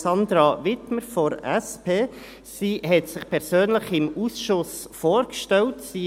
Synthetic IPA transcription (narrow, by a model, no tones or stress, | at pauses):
sɑnd̪ɾɑʋɪtməɾfɔɾɛspʰeː | siːɦɛtsɪχpʰɛɾsøːnləχɪmusʃʊs | foːɾkʃtɛltsiː